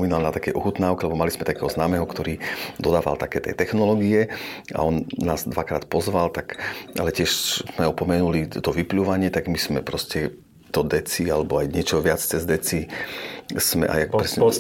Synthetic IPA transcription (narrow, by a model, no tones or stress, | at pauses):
minalnat̪akɛjʔɔxut̪naːʊkɛlɛbɔmaliz̥mɛt̪akɛːɦɔznaːmɛɦɔkt̪ɔɾiːd̪ɔd̪aːʋa̰lt̪akɛːt̪ɛ̰t̪ɛxnɔlɔɡiɛa̰ɔnːaːzd̪ʋakɾa̰ːt̪pɔzʋalt̪akʔalɛcɪɛʃmɛɔpɔmɛnulit̪ɔʋipluːʋaɲɪɛt̪aɡmiz̥mɛpɾɔscɛ | t̪ɔd̪ɛt͡sialɛbɔajɲɪɛt͡ʃɔʋɪat͡st͡sɛzd̪ɛt͡si | smɛ̰ʔa̰jak̚pɾɛsɛ